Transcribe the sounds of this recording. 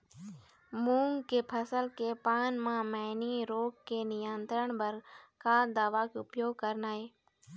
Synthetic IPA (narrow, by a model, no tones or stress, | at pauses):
muːŋɡkeːpʰəsəlkeːpaːnmãːməɦniːɾoːkkeːnɪjənt̪ɾəɳ̃bəɾkaːd̪aːʋaːkeʊpjoːɡ̚kəɾnaːɦeː